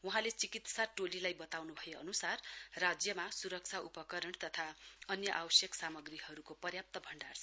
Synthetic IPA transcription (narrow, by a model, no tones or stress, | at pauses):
wuɦãlet͡sikit̪saʈolilajbʌt̪awnubʱʌjeʌ̰nusarrad͡zjʌmasuɾʌk̚t͡sʰaʔupʌkʌɾʌɳt̪ʌt̪ʰaʌnjʌʔawʌsjʌksamʌɡriɦʌɾukopʌrjap̚t̪ʌbʱʌɳɖarʰ